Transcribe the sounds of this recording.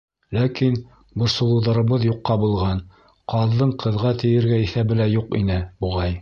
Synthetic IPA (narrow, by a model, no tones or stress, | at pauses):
lækin | buɾsŏlˠuðɑɾɤ̆βɤðjuqːɑbulˠʁɑn | qɑðːɤɴqʰɤ̆ðʁɑt̪ɘ̆jɘ̆ɾɡæiθæbɘlæjuqḭnɘbuʁɑj